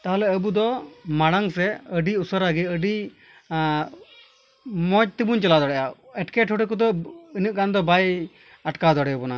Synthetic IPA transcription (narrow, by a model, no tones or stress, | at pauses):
t̪aɦalɛəbud̪ɔmaɽaŋsɛəɖiusəɾaɡɛəɖi | mɔt͡ʃ̚t̪ibuɲt͡ʃɛlad̪ɔɽɛʔaɛʈkɛʈʰhɔʈikud̪ɔinəʔ̚ɡand̪ɔbaj | aʈkad̪ɔɽɛbɔna